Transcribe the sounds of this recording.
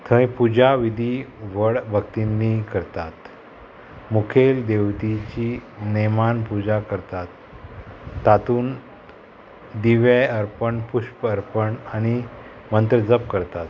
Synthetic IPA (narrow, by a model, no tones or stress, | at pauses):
t̪ʰə̃jpud͡ʑaʋid̪ʱiʋəɽbʱəkt̪inːikəɾt̪at̪ | mukʰeld̪eʋt̪it͡ɕinimanpud͡ʑakəɾt̪at̪ː | at̪uːn | d̪iʋeəɾpəɳpuɕpəɾpəɳaɽ̃i | mənt̪ɾəd͡zəp̚kəɾt̪at̪